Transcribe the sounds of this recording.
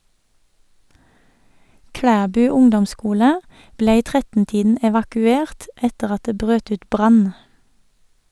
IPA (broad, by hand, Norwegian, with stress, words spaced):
ˈkɽæːbʉː ˈʊŋdɔmˌskuːlə ˈbleː ˈiː ˈtʁɛtn̩ ˈtiːdn̩ ɛʋɑkʉˈeːʁt ˈɛtəʁ ˈɑt ˈdeː ˈbʁøːt ˈʉːt ˈbʁɑn